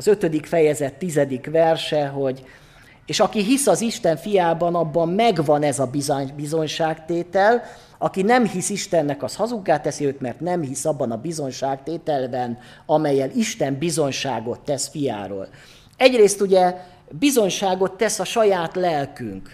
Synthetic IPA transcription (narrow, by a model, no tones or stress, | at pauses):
zø̞t̪ød̪ikfɛjɛzɛt̪ːizɛd̪ikʋɛrʃɛɦo̞ɟ | eːʃɒkiɦisɒziʃt̪ɛɱfijaːbɒnɒbːɒmːɛɡvɒnɛzɒbizbizo̞ɲʃaːkt̪eːt̪ɛl | ɒkinɛmhisiʃt̪ɛnːɛkɒshɒzuɡːaːt̪ɛsiøːt̪mɛrt̪nɛmhisɒbːɒnɒbizo̞ɲʃaːkt̪eːt̪ɛlbɛn | ɒmɛjːɛliʃt̪ɛmbizo̞ɲʃaːɡo̞t̪ːɛsfija̰ːɾo̰ːl | ɛɟreːst̪uɟɛ | bizo̞ɲʃaːɡo̞t̪ːɛsɒʃɒjaːt̪lɛlky̰ŋk